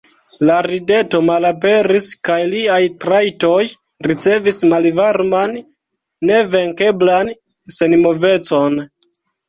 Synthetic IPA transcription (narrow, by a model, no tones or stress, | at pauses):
laɾide̞to̞malap̬e̞ɾiskajliajtɾajto̞j | ɾit͡se̞vismalvaɾmanː | e̞ve̞ŋke̞blan | se̞nmo̞ve̞t͡so̞n